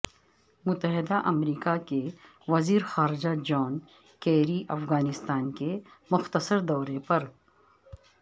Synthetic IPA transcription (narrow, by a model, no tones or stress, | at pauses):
mʊt̪əɦɪd̪aʔɐmɾiːkake | ʋɐziːɾxaːɾɪd͡ʒad͡ʒɔːn | keːɾiʔɐfɣaːnɪst̪aːnkemʊxt̪əsəɾd̪ɔːɾepɐɾ